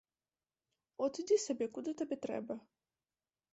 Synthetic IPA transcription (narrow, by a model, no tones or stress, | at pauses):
ɔt̪ɨd̪ʲisʲɐbʲɛkud̪ɨt̪ɐbʲɛt̪ɾɛ̰bɐ